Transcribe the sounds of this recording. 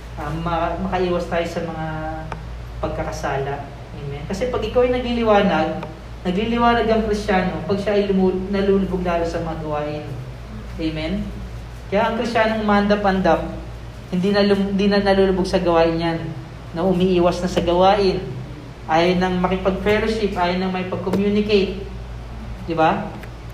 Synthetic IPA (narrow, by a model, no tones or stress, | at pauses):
ʔɐmɐmɐkɐʔiːwɐst̪aːjo̞sɐmɐŋa | pɐɡ̚kɐkɐsaːlɐʔ | ʔejmɛnkɐsɛpɐɡʔɪkawɐjnɐɡlilɪwaːnɐɡ̚ | nɐɡlilɪwaːnɐɡɐŋkɾɪst͡ʃaːno̞pɐɡ̚ʃaʔɐjlʊmunɐluːlʊboɡ̚laːlo̞sɐmɐŋaɡɐwaːʔɪn | ʔejmɛn | kɐjaʔɐŋkɾɪst͡ʃaːnoŋmɐʔɐnd̪ɐpʔɐnd̪ɐp̚ | hɪnd̪inɐlʊnd̪inɐnɐluːlʊboɡsɐɡɐwaːʔɪnjanː | ɐʔʊmiʔiːwɐsnɐsɐɡɐwaːʔɪn | ʔaːjonːɐŋmɐkɪpɐɡ̚fɛloʃɪp̚ʔaːjonːɐŋmɐkjpɐɡ̚komjunɪkejt̪̚ | d̪ɪba